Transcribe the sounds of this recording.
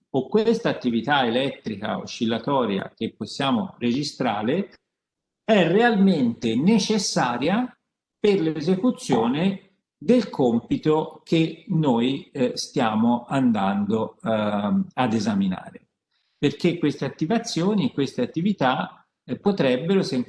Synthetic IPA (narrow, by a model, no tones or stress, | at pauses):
okːwest̪aːt̪ːivit̪aelɛt̪ːɾika̰ṵt͡ʃilːat̪ɔːɾja̰k̟epːosːjaːmo̰red͡ʒist̪ɾaːɾe | ɛrːealment̪enet͡ʃesːaːɾja | perlezekut̪sːjoːne | d̪elkʰompit̪okenːoːjst̪jaːmoand̪and̪o | ad̪ezamina̰ːɾe | perkekwest̪eat̪ːivat̪sːjoːnikwest̪eat̪ːivit̪a | pːot̪ɾɛbːeɾosem